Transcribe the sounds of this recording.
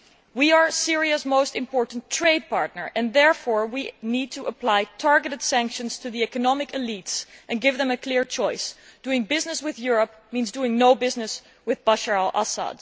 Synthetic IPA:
wiə˞sɪɹiɨsmoʊstɨ̃mpʰɔɹʔn̩tʰɹ̥eɪd̚pʰɑɹtⁿnə˞ʔɨ̃nðɛɹfɔɹwinid̚tʰəʔəpl̥aɪtʰɑɹɡɨɾɨd̥sæ̃ŋkʃə̃nz̥tʰɨðiɛkənɑmɨkɨlitsʔɨ̃nɡɪvðə̃mɨkʰlɪɹt͡ʃɔɪsd̥uɪ̃ŋbɪznɨswɪðjʊɹəp̚ | mĩnzduɪ̃ŋnoʊbɪznɨs | wɨðbʌʃəɹlʔa̰sə̰d̥

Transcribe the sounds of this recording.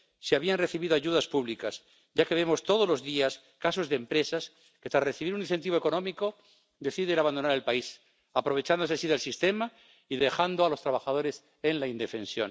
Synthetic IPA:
seaβianre̞θiβiðo̞aʝuðaspuβlikas | ʝake̞β̞e̞mo̞st̪o̞ð̞olo̞zðias | kaso̞zðempɾe̞sas | ke̞t̪ɾasreθiβiɾunĩn̟θe̞nt̪iβo̞eko̞nõ̞miko̞ | d̪e̞θiðenaβand̪o̞naɾe̞lpais | apɾo̞β̞e̞t͡ʃand̪osesiðe̞lsist̪e̞ma | iðe̞xand̪oalo̞st̪ɾaβaxaðo̞ɾe̞s | e̞nlaind̪e̞fẽ̞nsjo̞̰n

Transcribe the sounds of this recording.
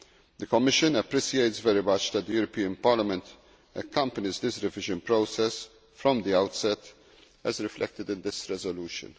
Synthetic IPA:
d̪əkɔmːɪʃɨ̃nəpɾisieɪt̪svɛɾimɐt͡ʃd̪ɛt̪̚d̪əjuːɾɔpiːə̃npɐːlɐmɛ̃nt̪ | ɛkːɐ̃mpənɪzd̪ɪsɾɛvɪʒə̃npɾoʊsɛs | fɾɔ̃md̪iawt̪sɛt̪ | ɛzɾɪflɛ̰k̚t̪ɪd̪ɪ̃nd̪ɪsɾɛzɔluːʃɨ̰̃n

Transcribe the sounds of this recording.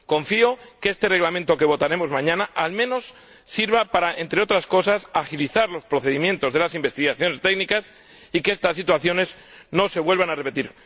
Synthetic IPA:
ko̞ɱfio̞keest̪e̞re̞ɣlamẽnt̪o̞ke̞βo̞t̪aɾe̞mo̞zmãɲãnaʔalmẽ̞no̞sː | iɾβapaɾae̞nt̪ɾe̞o̞t̪ɾasko̞sasaxiliθaɾlo̞spɾo̞θe̞ðimjẽ̞nt̪o̞zðe̞lasimbe̞st̪iɣaθjo̞ne̞st̪e̞ɡnikas | ikeest̪asːit̪waθjo̞ne̞z | no̞se̞βwe̞lβanare̞pe̞t̪iɾ

